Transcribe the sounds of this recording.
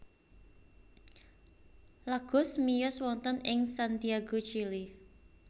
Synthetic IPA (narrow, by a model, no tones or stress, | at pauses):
laɡ̥ʊ̤smijʊswɔnt̪ənɪŋsant̪iaɡot͡ʃili